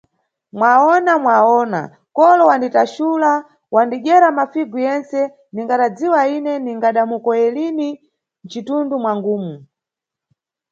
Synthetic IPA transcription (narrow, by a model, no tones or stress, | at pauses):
mwaɔnamwaɔna̰ | kɔlɔwanditaʃula | wandiʄɛɾamafiɡujɛnsɛ | niŋɡaɗad͡ziwainɛniŋɡaɗamukɔjɛlini | nt͡ʃitundumwaŋɡuːmu